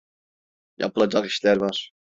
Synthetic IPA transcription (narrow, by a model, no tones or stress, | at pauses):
jʔa̰pɯlˠad͡ʒaki̥ʃlʲæɾvaɾ̥